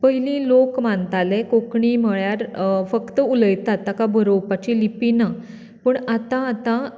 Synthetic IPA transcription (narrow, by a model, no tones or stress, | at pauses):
pəɦilĩlokmant̪alekokɳiːməɭjaɾfəkt̪əuləjt̪at̪ːakabʱəɾowpat͡ɕilipina | pəɳat̪ãːt̪ã